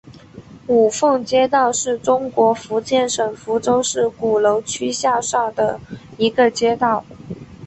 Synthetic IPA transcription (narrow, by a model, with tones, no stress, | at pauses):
u˨˩fɤ˥˩ŋt͡ɕjɛ˥t̪̬ɑ˥˧ʊʂɻ̩˥˩ʈ͡ʂʊ˥ŋkwɔ˧˥fu˧˥t͡ɕjɛ˥˩nʂɤ˨˩ŋfu˧˥ʈ͡ʂo˥ʊʂɻ̩˥˩ku˨˩lo˧˥ʊt͡ɕʰy˥ɕja˥˧ʂa˥˩d̪ə˩i˧˥ɡə˧t͡ɕjɛ˥t̪ɑ˥˩ʊ